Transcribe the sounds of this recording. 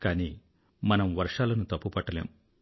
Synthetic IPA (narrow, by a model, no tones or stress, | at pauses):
kaːniː | mɐnɐmʋɐɾʂaːlɐnut̪ɐpːupɐʈːɐlḛːm